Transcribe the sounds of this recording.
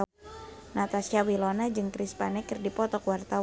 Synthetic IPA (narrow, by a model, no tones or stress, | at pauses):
nat̪asiawilɔnad͡ʒɨŋkɾispanɛkɨrdipɔt̪ɔkwart̪aw